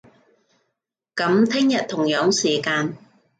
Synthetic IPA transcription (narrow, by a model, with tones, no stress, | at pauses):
kɐ˨˥mt̪ʰɪ˥ŋjɐ˨t̚t̪ʰʊ˨˩ŋjœː˨˥ŋsiː˨˩kaː˧n